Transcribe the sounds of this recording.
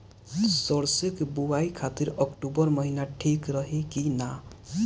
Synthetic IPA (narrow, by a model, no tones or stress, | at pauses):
səɽsekbuʋaikʰat̪iɾəkʈubəɾməɦinaʈʰikɾəɦekina